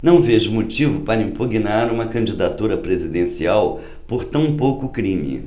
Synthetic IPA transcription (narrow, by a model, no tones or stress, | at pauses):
nɐ̃w̃veʒʊmot͡ʃivʊpaɾɐĩmpuɡinaɾũmɐkɐ̃d͡ʒid̪at̪uɾɐpɾezid̪ẽsiaw | poɾt̪ɐ̃w̃powkʊkɾĩmḭ